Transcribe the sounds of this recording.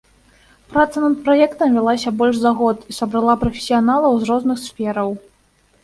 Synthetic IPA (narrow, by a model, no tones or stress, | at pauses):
pɾat̪sɐnɐt̪̚pɾajɛkt̪ɐmvʲalˠasʲɐbɔlʲʂzaɣɔt̪isɐbɾalˠapɾɐfʲe̥sʲijanalˠɐwzɾɔznɨxsfʲɛɾɐw